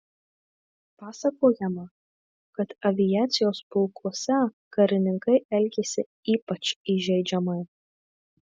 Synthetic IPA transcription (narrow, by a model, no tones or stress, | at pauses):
pɑːsɐkoːjɛmɐ | kɐt̪ɐʋʲɪjæːt̪sʲɪjoːspʊlˠkuɔsʲɛ | kɐɾʲɪnʲɪŋkɐɪʔɛlʲɡʲesʲɪ | iːpɐt͡ʃiʒʲɛɪd͡ʒʲɛmɐɪ